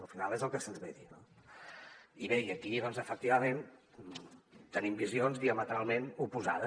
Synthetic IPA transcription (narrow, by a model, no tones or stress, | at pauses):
lˠfinalˠezəlˠkəsənzβeðino | iβeiəkiðɔnzəfək̚t̪iβəmen | t̪ənimbizionzðiəmət̪ɾalˠmenupuza̰ðə